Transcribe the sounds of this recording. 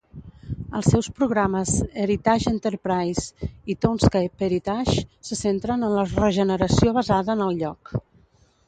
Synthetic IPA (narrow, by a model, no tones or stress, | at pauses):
əlˠsːɛwspɾuɣɾaməzəɾit̪aʒint̪əɾpɾajzit̪onskajpeɾit̪aʃsəsent̪ɾənənlərəʒənəɾəsioβəzaðəːnəlˠʎɔk